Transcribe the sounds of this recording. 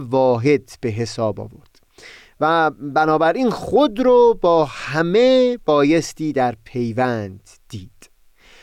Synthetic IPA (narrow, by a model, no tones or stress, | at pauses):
vɒːɦe̞d̪b̥e̞ɦe̞sɒːbɒ̰ːvo̞̰ɾd̪̥ | væbænɒːbæɾʔiːnxod̪ɾoːbɒːhæme̞b̥ɒːje̞st̪ʰiːd̪æɾpʰe̞jvænd̪̥ːiːd̪̥